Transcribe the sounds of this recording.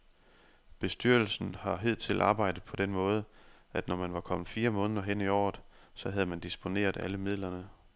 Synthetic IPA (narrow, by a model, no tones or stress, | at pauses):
b̥e̝sd̥yɐ̰l̩sn̩hɑ̈ɦe̝ð̞̰ˠt͡sʰe̝lʔɑ̈ːb̥ɑ̈ɪ̰d̥ð̩ˠpʰɒ̽d̥enmɔ̽ːð̞ˠə | æd̥nɒmænʋɑ̈kʰɒ̽m̰ð̩ˠfiːɐmɔ̽ːnðˠɐɦen̰iɒ̰ːð̩ˠ | sɒ̽ɦæð̞ˠmænd̥isb̥o̝ne̝̰ːɐð̞ˠæləmið̰ˠlɐnə